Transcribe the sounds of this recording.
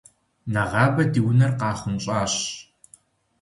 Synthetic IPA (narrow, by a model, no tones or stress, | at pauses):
nɐʁɑːbɐdiwnɐrqɑːχʷʊnɕʼɑːɕ